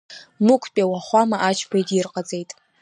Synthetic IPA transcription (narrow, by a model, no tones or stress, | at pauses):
nukʷʰpʼawaχʷamaʔat͡ʃʰpʰajdʼirqʼad͡zʼejtʼ